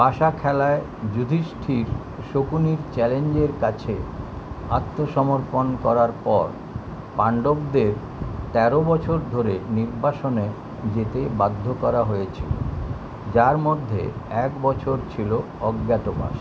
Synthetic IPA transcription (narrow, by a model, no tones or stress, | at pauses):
paʃakʰɛlae | d͡ʑud̪ʱiʃʈʰiɾ | ʃokuniɾt͡ɕɛleɲd͡ʑeɾkat͡ɕʰe | at̪ːoʃɔmoɾponkɔɾaɾpɔɾ | paɳɖobd̪eɾ | t̪ɛɾobɔt͡ɕʰoɾd̪ʱoɾeniɾbaʃone | d͡ʑet̪ebad̪ʱːokɔɾaɦojet͡ɕʰilo̰ | d͡ʑaɾmod̪ʱːḛɛkbɔt͡ɕʰoɾt͡ɕʰilo | ɔɡːɛt̪oba̰ʃ